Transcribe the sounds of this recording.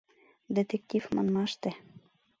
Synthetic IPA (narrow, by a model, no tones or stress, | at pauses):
d̪et̪ek̚t̪ʲifmɑ̰nmɑʃt̪ĕ